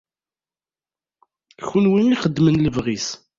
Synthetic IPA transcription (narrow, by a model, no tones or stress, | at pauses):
çunwiniχəd̪ːmənləvʁis